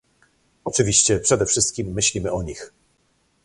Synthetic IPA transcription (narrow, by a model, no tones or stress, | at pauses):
ɔt͡ʂɘvʲiɕt͡ɕɛpʂɛd̪ɛfʂɘst̪̚kʲimːɘɕlʲimɘɔɲix